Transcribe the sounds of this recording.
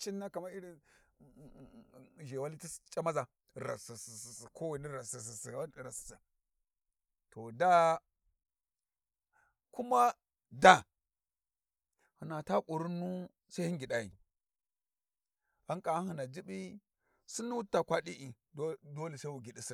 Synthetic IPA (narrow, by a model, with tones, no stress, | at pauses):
t͡ʃi˦nːa˦ka˨ma˦i˦ɾi˦˨ | ʒe˨wa˦li˦ti˦st͡ʃʼa˦ma˦za˨ | ɾa̰˨si˨sssko˦wi˨ni˦ɾa˨si˨si˨si˨˦˨ɾa˨si̥˨sa˨ | to˨da˦ | ku˦ma˦ | da˦ | hi˨na˨ta˦ku˨ɾu˦nːu˦ | sa˦hi˦ŋɡi˨da˦jḭ˨ | a˦ŋkʼa˨˦hi˨na˨d͡ʒi˦ɓi˦ | si˦nu˦wu˦ta˨kʷa˦ɗi˦ʔi˨˦ | do˦li˨sa˦wu˨ɡʲi˨ɗi˦si˦n˨